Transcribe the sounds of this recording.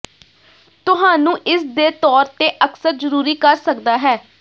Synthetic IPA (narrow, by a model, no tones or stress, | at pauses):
t̪ʊɦãːnũːʔɪsd̪eːt̪ɔːɾt̪eːʔəksəɾzəɾuːɾiːkəɾsəkd̪aːɦɛː